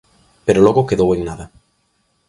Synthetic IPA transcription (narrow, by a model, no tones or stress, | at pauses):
peɾolɔɣokeðoweŋnaðɐ